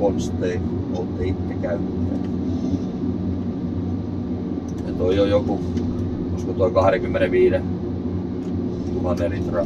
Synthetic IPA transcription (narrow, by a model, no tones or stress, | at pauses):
onst̪ːei | olt̪ːeit̪ːekæynːˑæ̰ | et̪oijojoku | joskot̪oˑikɑhɑrekymːeneʋiːɾe | juhɑnerit̪rɑ